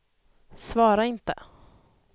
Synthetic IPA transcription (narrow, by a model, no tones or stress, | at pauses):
svɑːɾaɪnt̪ə̰